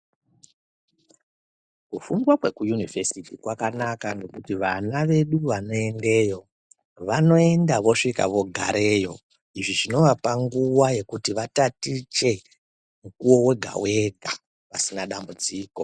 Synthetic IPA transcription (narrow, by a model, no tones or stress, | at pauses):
kufuŋɡwakwe̞kujunivesitikwakanakanɡe̞kutiʋanaʋe̞ɗuʋano̞e̞nde̞ːjo̞ | ʋano̞e̞ndaʋo̞ʂika̰ʋo̞ɡʱaɾe̞jo̞ | iʐiʐino̞ʋapaŋɡuwaje̞kutiʋatatit͡ʃe̞ | mukuwo̞we̞ɡʱa̰we̞ɡʱa | ʋasinaɗambud͡ziːko̞